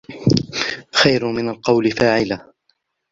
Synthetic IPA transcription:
xajɾʊmɪnalqɑwlɪfaːʕɪla

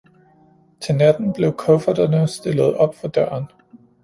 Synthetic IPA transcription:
t͡sʰe̝næd̥n̩b̥le̝ʊkʰɔfɐd̥ɐnəsd̥e̝lð̞̩ˠɒ̽b̥fɒd̥ɶːɐn

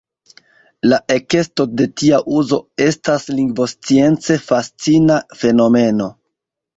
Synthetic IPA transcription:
laʔe̞ke̞sto̞de̞tiaʔuzo̞e̞stasliŋɡvo̞st͡sie̞nt͡se̞fast͡sinafe̞no̞me̞no̞

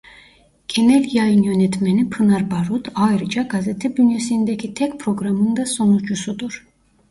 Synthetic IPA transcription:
ɟ̥e̞nɛlʲjajɯnjø̞nɛt̪menipʰɯnaɾbaɾut̪ʰajɾɯd͡ʒaɡazet̪ʰɛbynjesind̪ecʰit̪ʰɛcpʰɾo̞ɡɾamɯnd̪aso̞nut͡ʃusud̪uɾ̥

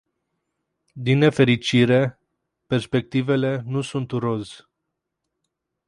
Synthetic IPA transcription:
d̪inːe̞fe̞ɾit͡ʃiɾe̞ | perspe̞k̚t̪ive̞le̞nusunt̪uɾo̞z

